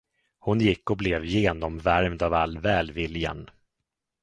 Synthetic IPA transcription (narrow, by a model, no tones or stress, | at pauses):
hʊnjɪkːɔblɛvjeːnɔmvæɾmd̪ɑːvalːvɛːlvɪlja̰n